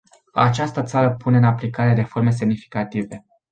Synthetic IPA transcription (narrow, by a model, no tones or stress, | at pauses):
a̰t͡ʃast̪ət̪saɾəpune̞ɨnaplikaɾeɾe̞fo̞rme̞s̬e̞mnifi̥kat̪ive̞